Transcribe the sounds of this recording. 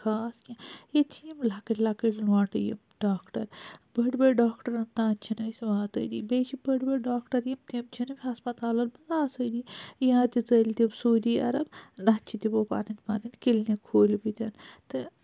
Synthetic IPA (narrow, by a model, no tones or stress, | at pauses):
kʰaːskʲĩet̪ʰijimlakɐʈʲlakəʈlaːʈɨjḭmɖaːkʈɐ̰ɾbɐʈbɐɖaːkʈɐɾɐnt̪ãːt͡ʃʰinɐjsʲʋaːt̪ə̰jd̪ḭbet͡ʃʰibəʈbeɖaːkʈɐɾjimt̪imt͡ʃʰinɨbʲiɦɐspɐt̪aːlɐnbɐzaːsəd̪ijãt̪it͡sɐlʲt̪ibsoːd̪iːɐ̰ɾɐbnat͡ʃʰit̪ibopa̰ːninpaːninkilnekʰoːlbit̪ʲɐnt̪ɨ